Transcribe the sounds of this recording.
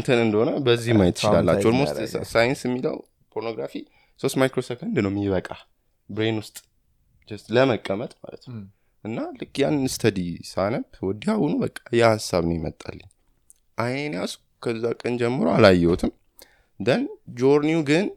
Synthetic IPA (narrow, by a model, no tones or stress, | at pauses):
ɨnt̪ʰɨnɨnd̪əho̞nəbəzːihmːajɛt̪ːɨt͡ʃɪlalːat͡ʃːɛwd̪mossajɪnsjɛmːilə̰w | pʰo̞ɾno̞ɡɾafi | so̞st̪majkɾosoft̪ɨnd̪ɨnəwmiβəkʼa | bɾenwʊst̪ʼ | d͡ʒləməkʼːəmət̪ʼma̰lət̪nw | ʔɨnːalɨkːjanːɨnɨst̪ʰəd̪isaləpwɔd̪ihawʊnubəkʼːḁjɛhasːaβnəwjɪmə̰t̪ʼːa̰lːəɲː | ʔajenasu̥ | kʰəzːakʼənd͡ʒɛmːɨɾoalajːɛwɔt̪ʰɨm | d̪ənd͡ʒo̞ɾniuɡɨn